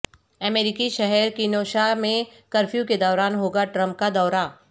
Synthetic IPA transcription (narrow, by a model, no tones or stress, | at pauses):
əmeːɾɪkiʃɛɦɛɾkinoːʃamẽkɐɾfʰjuked̪ɔːɾaːnɦoːɡaʈɾə̃mp̚kad̪ɔːɾa